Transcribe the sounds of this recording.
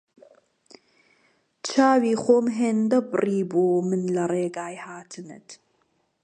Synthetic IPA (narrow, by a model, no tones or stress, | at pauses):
t͡ʃʰaːwiːχoːmɦeːnd̪ɐbɨriːbuːmɨnlɐreːɡaːjhaːt̪ʰɨnɨ̰t̪